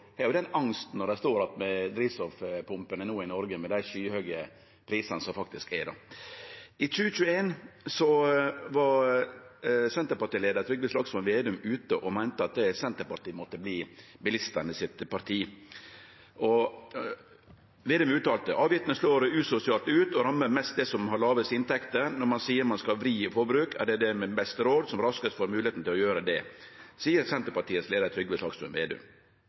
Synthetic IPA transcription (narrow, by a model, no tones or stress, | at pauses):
hɑːɾjʊd̪ɛnɑŋst̪n̩ɔɖæɪst̪oːɾɑt̪mɛd̪ɾiːsɔfpʰʊmpənənuːɪnɔɾɡəmɛd̪æɪʃyːhøːɡə | pʰɾiːsɑnəsɔmfɑk̚t̪ɪskɛɖɔ̰ | ɪt͡ʃʉːət͡ʃʉːəeːnsɔʋɑ | sɛnt̪əɾpɑʈ̪iːleːd̪əɾt̪ɾʏɡ̚ləslɑɡsɔmɛnʋeːd̪ʉmʉːt̪əʔɔmæɪnt̪əɑt̪̚d̪ɛsɛnt̪əɾpɑɾʈ̪iːmɔt̪ːəbliːbɪlɪst̪ənəsɪt̪pʰɑɾt̪ʰiː | ʔɔ | ʋeːd̪ʉmʉːt̪ɑːlt̪əʔɑːʋjɪft̪nəsloːɾʉːsʊsɪɑːlt̪ʉːt̪ɔɾɑmːəɾmɛst̪̚d̪ɛsɔmhɑɾɭɑːʋəsɪnt̪ʰɛkt̪ənɔɾmɑnsiːəɾmɑnskɑʋɾiːfɔɾbɾʉːkʰæ̰ɖɛd̪ɛmɛbɛst̪əɾoːd̪sɔmɾɑskət̪fɔɾmʉːlɪeːt̪n̩t̪ʰɪlɔjøːɾəd̪ɛsiːəɾsɛnt̪əɾpɑʈiːət̪sleːd̪əɾt̪ʰɾʏɡːʋɛslɑːɡsmʉnʋḛːd̪ʉ̰m